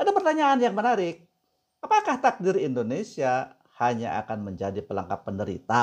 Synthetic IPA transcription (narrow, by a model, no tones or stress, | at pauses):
adapərt̪aɲaːnjaŋmənaɾɪk̚ | apakaht̪ak̚diɾindonesia | haɲa̰ʔa̰kanməɲd͡ʒadipəla̰ŋkapːəndəɾḭt̪a